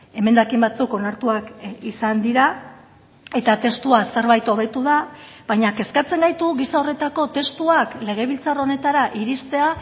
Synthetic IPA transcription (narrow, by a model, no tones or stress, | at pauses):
e̞me̞nd̪akimbat͡suko̞naɾt̪uakisand̪iɾa | e̞t̪at̪e̞st̪uase̞ɾβajt̪o̞β̞e̞t̪uð̞abajɲake̞skat͡se̞ŋɡajt̪uɣisao̞re̞t̪ako̞t̪e̞st̪uakle̞ɣ̞e̞β̞ilt͡saro̞ne̞t̪aɾaʔiɾist̪e̞a